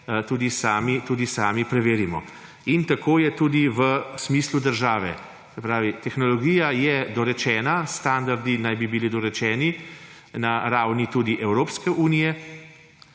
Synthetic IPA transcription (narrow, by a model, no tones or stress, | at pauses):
t̪uːd̪isaːmit̪uːd̪isaːmipɾɛʋeːɾimɔ̰ | int̪akoːjɛt̪uːd̪iʋəsmiːslud̪əɾʒaːʋɛ̰ | sɛpɾaːʋit̪ɛxnɔlɔɡijajɛd̪ɔɾɛt͡ʃɛːnast̪and̪aɾd̪inajbibilid̪ɔɾɛt͡ʃɛːni | naɾaːwnit̪uːd̪iʔɛwɾoːpskɛʔuːnijɛ